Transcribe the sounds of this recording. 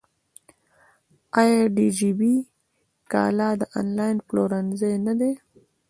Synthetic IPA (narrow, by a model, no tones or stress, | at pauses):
ajaɖid͡ʒibi | kɑ̰lɑd̪əʔɑ̰nlɑjɪnploɾanzajnad̪e